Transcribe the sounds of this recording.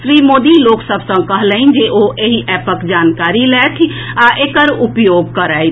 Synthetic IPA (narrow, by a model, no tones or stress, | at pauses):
sɾiːmoːd̪iloːksəbsə̃kəɦlə̃ɪnd͡ʒeʔoʔeɦiʔɛːpəkd͡ʒaːnkaːɾilɛːt̪ʰi | aʔeːkəɾʊpjoːɡ̚kəɾaːi